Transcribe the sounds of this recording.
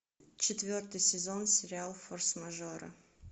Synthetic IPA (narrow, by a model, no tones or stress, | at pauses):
t͡ɕɪt̪vʲort̪ɨjsʲɪzonsʲɪɾʲɪalˠforsmɐʐoɾə̰